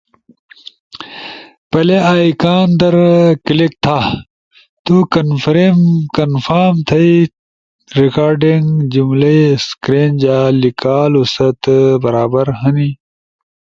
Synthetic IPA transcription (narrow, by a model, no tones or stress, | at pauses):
pɐleaːikaːnd̪ɐɾkilik̚t̪ʰaː | t̪ukɐnfɾemkɐnfaɾmt̪ʰɐi | ɾikaːɾɖiŋɡd͡ʑumlɐiskɾeːnd͡ʑaːlikaːlusɐt̪bɐɾaːbɐɾɦɐni